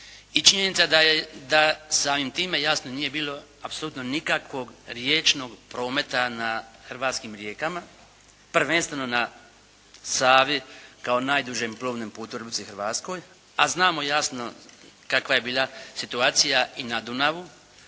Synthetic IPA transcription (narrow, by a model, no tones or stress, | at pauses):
it͡ʃiɲenit̪sad̪ad̪asaːmimt̪iːme̞jasnoniːje̞biːlˠo̞apsoluːt̪no̞nikakʋo̞ɡɾjet͡ʃno̞ɡpɾo̞ːme̞t̪anaxrʋaːt̪skimɾje̞ːkama | pɾ̩ʋenst̪ʋenona | saːʋikao̞naːjd̪uʒemplˠoːʋnempuːt̪uɾbisixɾʋaːt̪sko̞j | aznaːmo̞jasno̞̰kakʋaje̞biːlˠasit̪uaːt̪sijainad̪unaʋu